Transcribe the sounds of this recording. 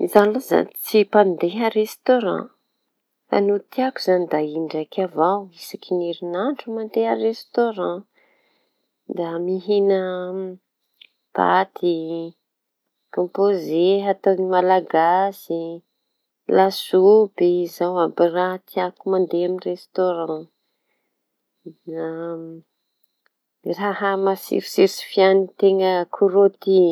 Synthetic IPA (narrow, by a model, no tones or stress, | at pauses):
izaloza̰t͡sipand̪eɦəɾest̪oɾã̰ | a̰nut̪iakuz̥anid̪aiɳɖ͡ʐakʲavawisakineɾinaɳʈ͡ʂumand̪eɦərest̪oɾã | d̪amiɦinə | b̥a̰t̪ʰi | kõmpozeɦat̪onimalaɡasi | lasubeizawabiraɦt̪iakumand̪eaminrest̪oɾɑ̃ | na | rahamasḭɾi̥siɾsi̥fianit̪eŋəkʰuɾot̪i